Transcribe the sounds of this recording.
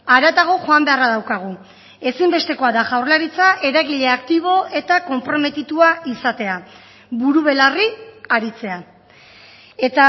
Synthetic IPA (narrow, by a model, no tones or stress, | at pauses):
aɾat̪aɣ̞o̞ʝo̞ambe̞araðawkaɣ̞u | e̞simbe̞st̪e̞ko̞aðaʝawrlaɾit͡saʔe̞ɾaɣiʎe̞akt̪iβ̞o̞e̞t̪ako̞mpɾo̞me̞t̪it̪uaisat̪e̞a | βuɾuβe̞lariaɾit͡se̞a | e̞t̪a